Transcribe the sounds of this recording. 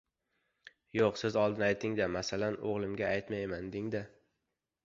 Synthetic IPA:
joqsɪzɒlˠd̪ɪnajt̪ʰɪŋd̪amasalano̰ʁlˠɪmɡʲaajt̪majmand̪ɪŋd̪a

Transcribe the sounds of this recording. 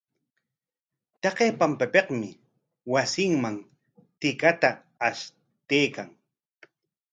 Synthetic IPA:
t̪ɑqeːpampapeqmɪ | wasɪŋmaŋ | t̪ɪkat̪aː | ʃ | t̪ejkaŋ

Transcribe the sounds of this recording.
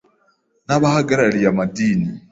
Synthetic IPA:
naβahaɡaɾalijamadiːni

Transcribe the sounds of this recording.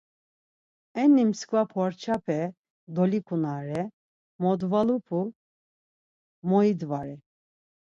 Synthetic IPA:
ɛnːimskvapʰɔɾt͡ʃʰapʰɛ | d̪ɔlikʰunaɾɛ | mɔd̪valupʰu | mɔid̪vaɾɛ

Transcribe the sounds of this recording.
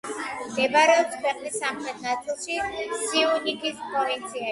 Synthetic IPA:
md̪ɛbaɾɛɔpskʰwɛqʼlisːamχɾɛt̪ʰnat̪sʰilˠʃisiunikispʰʼɾɔvint̪sʰia

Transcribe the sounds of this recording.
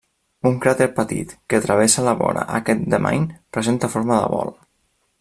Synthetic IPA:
uŋkɾat̪eɾpət̪ḭt̪kət̪ɾəβ̞esalaβɔna̰ʔəkɛt̪̚d̪əma̰ɲpɾəzent̪afoɾməðə̰βɔl

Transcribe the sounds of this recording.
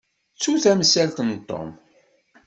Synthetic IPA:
t͡sːuθæməsːælt̪ənt̪ˤːo̰m

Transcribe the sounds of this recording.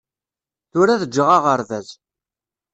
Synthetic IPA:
θʊɾæðəd͡ʒːəʁaʁəɾðæz

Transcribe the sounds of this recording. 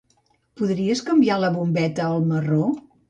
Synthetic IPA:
puðɾiəskəmbialəβumbɛt̪əːlˠməro

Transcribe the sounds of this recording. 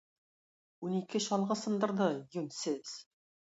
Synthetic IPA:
unikɘɕɑlˠʁɤsɤ̆nd̪ɤ̆ɾd̪ɤjɵnsɘz̥

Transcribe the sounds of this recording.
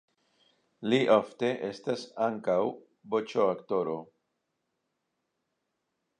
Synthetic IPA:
liʔofte̞ʔe̞stasaŋkaw | bot͡ʃoakt̪o̞ɾo̞

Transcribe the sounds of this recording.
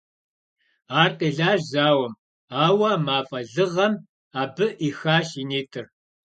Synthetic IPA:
aːrqiːɮaːʒzaːwɐm | aːwɐmaːfʼɐɮɨʁɐm | aːbɨʔixaːʃiːneːtʰɨr

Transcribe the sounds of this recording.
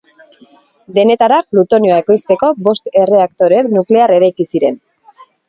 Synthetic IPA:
d̪e̞ne̞t̪aɾaplut̪o̞njoae̞ko̞jst̪e̞ko̞bo̞st̪e̞re̞akt̪o̞ɾenukle̞are̞ɾajkisiɾe̞n

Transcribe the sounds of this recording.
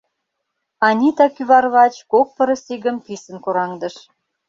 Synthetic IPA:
ɑnʲit̪ɑkyβɑrβɑt͡ɕkok̚pə̆ɾə̆siɣə̆mpisə̆nkoɾɑŋd̪ə̆ʃ

